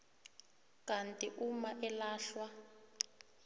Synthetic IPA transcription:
kantʼiʔumaʔɛlaːɬwa

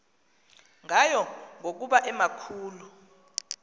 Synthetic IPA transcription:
ŋajɔŋʱok̬uɓaʔɛmakʰuːlu

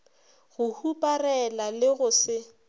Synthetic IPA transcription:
ɣʊhupʼarɛlalɪɣʊsɪ

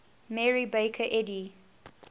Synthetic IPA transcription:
mɛɹibeɪkʰəʔɛdi

